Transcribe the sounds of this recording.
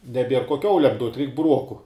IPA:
nʲɛˈbʲiɛr koː ˈkʲɛʊlʲɛm duɔtʲ rʲɛɪk bʊˈruɔkʊ

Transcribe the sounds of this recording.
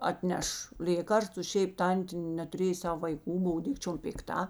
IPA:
ɐtʲˈnʲɛʃ ˈlʲeːkɐrstʊ ˈʃʲɛɪp ˈtɐnʲtʲeː nʲɛtʊˈrʲeːj ˈsɐw ʋɐɪˈkuː ˈboːw ˈdʲɪkt͡ʃʲoːm pʲɪkˈtɐ

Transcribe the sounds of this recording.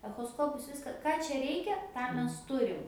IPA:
ɛxoːˈskoːpʊs ˈʋʲɪskɐ ˈkɑː t͡ʃʲɛ ˈrʲɛɪkʲɛ ˈtɑː ˈmʲɛs ˈtʊrʲɪm

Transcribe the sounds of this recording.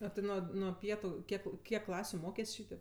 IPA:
ɐ ˈtʲɪ ˈnuɔ nuɔ ˈpʲiɛtʊ ˈkʲiɛk ˈkʲiɛk ˈklˠɑːsʲʊ ˈmoːkʲeːsʲ ˈʃʲiːtʲeːp

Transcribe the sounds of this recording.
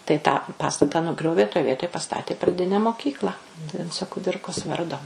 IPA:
tɐɪ tɑː pɐˈstɑːtɐ nʊˈɡrʲoːʋʲeː toːj ˈʋʲiɛtoːj pɐˈstɑːtʲeː prɐˈdʲɪnʲɛ moːˈkʲiːklˠɐ ˈʋʲɪnt͡soː kʊˈdʲɪrkoːs ˈʋɐrdoː

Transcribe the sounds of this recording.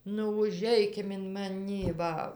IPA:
nʊ ʊˈʒʲɛɪkʲɪm ɪn mɐˈnʲiː ˈʋɐ

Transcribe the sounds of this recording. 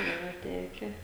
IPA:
ˈiːrɐ ˈtʲæːkʲɛ

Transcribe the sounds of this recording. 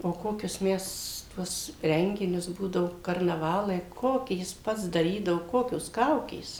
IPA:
oː ˈkoːkʲʊs ˈmʲɛs ˈtuɔs ˈrʲɛŋʲɡʲɪnʲʊs ˈbuːdɐʋoː kɐrnɐˈʋɑːlˠɐɪ ˈkoːkʲiː ˈjɪs ˈpɐts dɐˈrʲiːdɐʋoː ˈkoːkʲoːs ˈkɐʊkʲeːs

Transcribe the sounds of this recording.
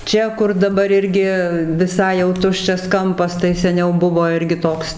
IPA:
ˈt͡ʃʲɛ kʊr dɐˈbɐr ˈɪrʲɡʲɪ ʋʲɪˈsɐɪ jɛʊ ˈtʊʃʲt͡ʃʲɛs ˈkɐmpɐs tɐɪ sʲɛˈnʲɛʊ ˈbʊʋoː ˈɪrʲɡʲɪ ˈtoːks

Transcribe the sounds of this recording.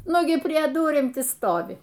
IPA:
ˈnʊɡʲɪ pʲrʲiɛ ˈdʊrʲɪm ˈtʲɪ ˈstoːʋʲɪ

